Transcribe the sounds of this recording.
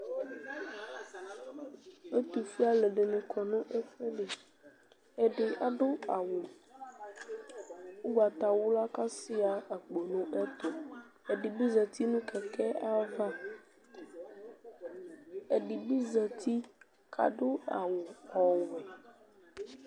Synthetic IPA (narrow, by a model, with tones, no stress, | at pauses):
e˦t̪u˨fi˦a˦le˨ɖe˨nẽ˨kʰɔ˨nũ˦ʔe˦fe˦ɖe˨ | e˦ɖe˨ʔa˦ɖo˦a˨wo˨ | wo˦ɡ͡ba˨t̪a˨wo˦la˦ka˦si˦a˨a˨ɡ͡bo˨nũ˦ʔe˦t̪o˨e˨ɖi˨bi˦zɛ˨t̪i˦nũ˦kʰɛ˨kɛ˦ʔa˦va˦ | e˨ɖi˨bi˦zɛ˨t̪ʰi˦ | kʰa̰˨ɖo˦a̰˨wo˨ɔ˨wo˨